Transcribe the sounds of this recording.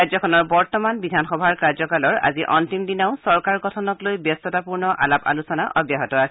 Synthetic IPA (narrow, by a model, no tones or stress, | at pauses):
azɔkʰɔnɔɹbɔɹtɔmanbidʱanxɔbʱaɹkaɹzɔkalɔɹa̰ziʔɔntimdinaʊsɔɹkaɹɡɔtʰɔnɔklojbjɔstɔtapuɹnɔʔa̰lapa̰lusɔnaʔɔbjaɦɔtɔas